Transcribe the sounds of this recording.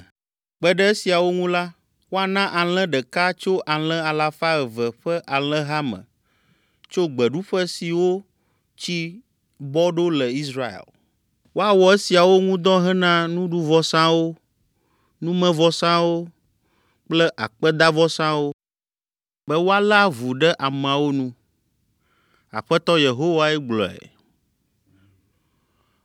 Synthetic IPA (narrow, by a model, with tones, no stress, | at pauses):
k͡pɛ˦ɖɛ˦e˦si˨a˨wo˦ŋũ˦la˦ | wo˦a˨nã˦ʔa˨l̃ɛ̃˦ɖɛ˨ka˦t͡ʃo˦ʔa˨l̃ɛ̃˦a˨la˨fa˦ɛ˨vɛ˨ɸɛ˦ʔa˨l̃ɛ̃˦ɦa˦mə̰̃˨ | t͡ʃo˦ɡ͡bɛ˨ɖu˦ɸɛ˦si˨wo˦ | t͡ɕi˦ | bɔ˦ɖo˦lɛ˨i˦sɾa˦ḛ˨l | wo˦a˨wɔ˨e˦si˨a˨wo˦ŋũ˦d̪ɔ̃˦ɦɛ˦nã˦nũ˦ɖu˦vɔ˦sã˦wo˦ | nũ˦mɛ̃˦vɔ˦sã˦wo˦ | k͡plɛ˦ʔa˨k͡pɛ˦d̪a˦vɔ˦sã˦wo˦ | bɛ˦wo˦a˦la˦vu˨ɖɛ˦ʔa˨mẽ˨a˨wo˦nũ˦ | a̰˨ɸɛ˦t̪ɔ˦je˨ɦo˦wa˦ɛ˦ɡ͡blɔ̰˨ɛ̰˨